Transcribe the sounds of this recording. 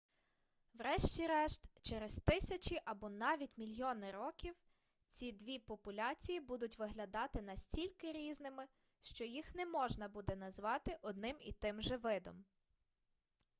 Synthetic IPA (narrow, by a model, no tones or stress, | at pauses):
wɾɛʃt͡ʃʲiɾɛʃt̪t͡ʃeɾezt̪ɪsʲɐt͡ʃiʔɐbɔnɑʋʲitʲmʲilʲjɔnɪɾɔkʲiw | t͡sʲid̪ʋʲipɔpʊlʲɑt͡sʲijibud̪ʊtʲʋɪɦlʲɐd̪ɑt̪ɪnɐsʲtʲilʲkɪɾʲiznɪmɪ | ʃt͡ʃɔjixnɛmɔʒnɐbud̪ɛnɐzʋɑt̪ɪʔɔd̪̚nɪmḭt̪ɪmʒɛʋɪd̪ɔ̰m